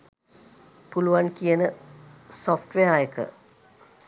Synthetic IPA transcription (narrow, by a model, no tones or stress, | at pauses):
puluʋankijənəsofʈʋejajəkə̰